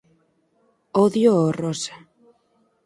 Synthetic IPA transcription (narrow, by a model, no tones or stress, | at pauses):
oðjoorosḁ